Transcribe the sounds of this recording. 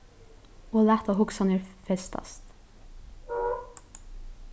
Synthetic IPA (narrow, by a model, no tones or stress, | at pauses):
oːlæːt̪ɑhʊksɑneːɾfɛst̪ɑ̰st̪